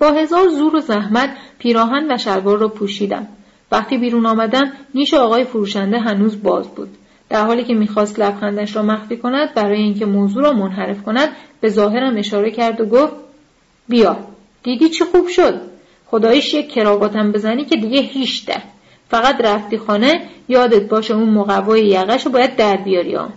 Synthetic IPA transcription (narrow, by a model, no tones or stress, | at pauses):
b̥ɒːɦe̞zɒːɾzuːɾo̞zæɦmæt̪pʰiːɾɒːɦænvæʃælvɒːɾːɒːpʰuːʃiːd̪æ̰m | væxt̪iːbiːɾuːnɒːmæd̪æmniːʃeɒːɣɒːjefoɾuːʃænd̪eɦænuːzbɒ̰ːzbṵːd̪̥ | d̪̥æɾhɒːliːcʰe̞miːxɒːst̪læbxænd̪æʃɾɒːmæxfiːkʰo̞næd̪̚bæɾɒːjeiːŋcʰe̞moːzuːɾɒːmonɦæɾe̞fkʰo̞næd̪̥̚b̥e̞zɒːɦe̞ɾæme̞ʃɒːɾecʰæɾd̪oɡoft̪̚ | bijɒː | d̪̥iːd̪iːt͡ʃʰixuːb̥ʃo̞d̪ | xo̞d̪ɒːjiʃjecʰːe̞ɾɒːbɒːt̪ʰæmbe̞zæniːcʰe̞d̪iɟehiːʃd̪̥æ̰ | fæɣæd̪ræft̪iːxɒːne̞jɒːd̪et̪̚ʰbɒːʃeuːnmoɣævːɒːjejæɣæʃobɒːjæd̪ːæɾbijɒːɾḭɒ̰ːm